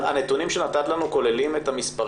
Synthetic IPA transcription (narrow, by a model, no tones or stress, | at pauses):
a̰ne̞t̪unimʃenat̪at̪lanuko̞le̞lime̞tamispaʁ